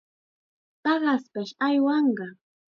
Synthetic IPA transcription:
tɑɢɑspaʃajwɑɴɢɑ

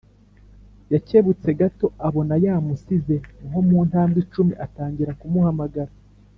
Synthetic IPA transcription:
jace̞βut͡se̞ɡato̞aβo̞najaːmusize̞ŋomuːntaːmbit͡ʃumiʔataːɲɟiɾakumuhamaɡaɾa

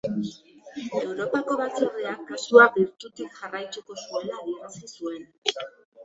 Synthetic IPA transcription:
e̞wɾo̞pako̞βat͡sureakːasuabiɾt̪ut̪ikʝarajt͡s̪uko̞sue̞laojeɾasisue̞n

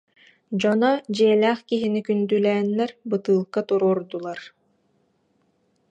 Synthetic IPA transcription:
d͡ʑɔnɔd͡ʑiɛlʲæːχkiɦinikynd̪ylɛːnːɛɾbɯt̪ɯːlˠkat̪uɾɔːɾd̪ulˠaɾ

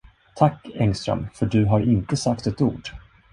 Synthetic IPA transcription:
t̪ʰakːɛŋst̪ɾœ̰mfœɖɵɦaɾɪnt̪əsakt̪ɛt̪uːɖ

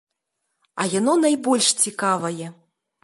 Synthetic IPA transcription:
ɐjanɔnajbɔlʲʂt͡sʲikavɐjɛ

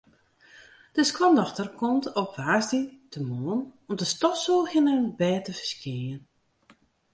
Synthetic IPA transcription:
d̥əskwɔndɔxtərkʰɔmtopʋaːsditʰəmoənɔmdəstɔtsulˠxɪnənbɛːtəvərskiən

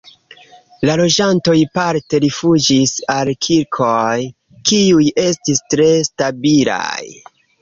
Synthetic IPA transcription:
lalo̞d͡ʒanto̞jpaɾte̞ɾifud͡ʒisalkʰilkʰoj | kiuje̞stistɾe̞stabila̰j

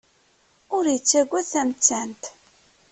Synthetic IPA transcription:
ʊɾjət͡sːæɡʷːæðθæmt͡sːænt̪

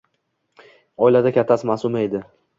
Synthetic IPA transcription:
ɒɪlad̪akʲʰat̪ʰːasɪmasʊmae̞d̪ɪ

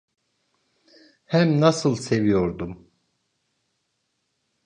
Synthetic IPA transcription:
hæmnasɯlˠsevijoɾd̪um

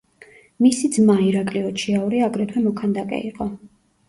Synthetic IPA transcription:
misid̪zmaiɾakʼliɔt͡ʃʰiauɾiaɡɾɛt̪ʰwɛmɔkʰand̪akʼɛ̰iqʼɔ

